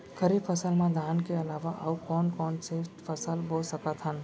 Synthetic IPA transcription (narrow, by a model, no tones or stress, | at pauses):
kəɾibfʰəsəlmãd̪ʱaːnkeəlaːʋaʔəukɔːnkɔːnseʈpʰəsəlbosəkət̪ɦən